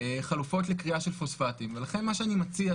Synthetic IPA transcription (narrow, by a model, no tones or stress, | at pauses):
χalufo̞tlekʁiaʃe̞lfosfatimvelaχe̞nmaʃeanimat͡sia